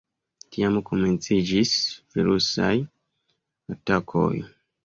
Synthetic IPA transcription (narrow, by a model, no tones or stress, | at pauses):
tiamkome̞nt͡sid͡ʒisviɾusa̰j | atakʰo̰j